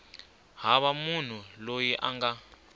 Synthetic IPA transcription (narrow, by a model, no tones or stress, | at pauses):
ɦaβamun̤ulojiʔa̰ŋɡa